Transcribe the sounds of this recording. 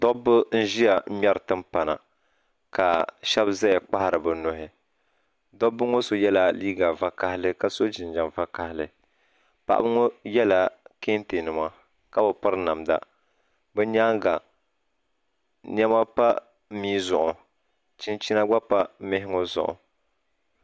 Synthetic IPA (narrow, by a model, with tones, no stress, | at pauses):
dɔ˦bɨ˦n̩˦ʒi˦ja˨˦mɛ˦ɾɨ˨tɨ˦mpa˨na̰˨ | ka˨ʃɛ˦bza˦jɛ˨k͡pa˦ha˨ɾɨ˨bɨ˨nʊ˨ɦɪ˨ | dɔ˦bːɨ˦ŋo˦so˨jɛ˦la˦˨liː˦ɡa˨va˨ka˦hɪ˦lɨ˦ka˨so˦d͡ʒɪ˨n˦d͡ʒa˨nva˦ka˨hɪ˦lɨ˨ | pa̰˨ʔa̰˦bɨ˦ŋo˦jɛ˦la˨ke˦nte˨nɨ˨ma˦ | ka˦bɨ˨pɨ˦ɾna˨mda̰˨ | bɛ˦ɲa˦ŋɡa˨ | ɲɛ˦ma˦pa˦ | miː˦zʊ˨ʔʊ˨ | t͡ʃi˦nt͡ʃi˦na˦ɡ͡ba˦pa˦mɪ˦ɦɪ˦ŋo˦zʊ̰˨ʔʊ̰˨